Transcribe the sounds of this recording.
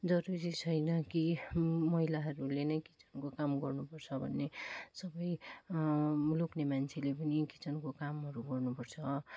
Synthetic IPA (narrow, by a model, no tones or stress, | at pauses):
d͡zʌɾuɾit͡sʰʌjnʌkimʌɦilaɦʌɾulenʌjki̥t͡sʌ̥nkokamɡʌrnupʌrt͡sʰʌbʱʌ̰nːesʌbʌj | loknemant͡sʰelepʌnikit͡sʌnkokamɦʌɾuɡʌrnupʌrt͡sʰʌ